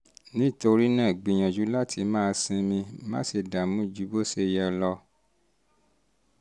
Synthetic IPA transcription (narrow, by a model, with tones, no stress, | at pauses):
nĩ˦˨to˧ɾi˦nãː˦˨ɡ͡bĩ˨˧˨j̃ã˨d͡ʒu˨˦la˦tʰi˧mãː˦˧sĩ˧mĩ˧mã˦se˧˨da˨mũ˨˦d͡ʒu˨˦bo˦˨se˦˧jɛ˧lɔ˧